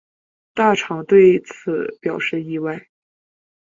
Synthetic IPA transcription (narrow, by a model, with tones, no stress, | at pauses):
t̪a˥˩ʈ͡ʂʰɑ˨˧˥ŋt̪we˥˩ɪt͡sʰɹ̩˨˧˩pjɑ˨˩ʊʂɻ̩˥˧i˥˧wa˥˩ɪ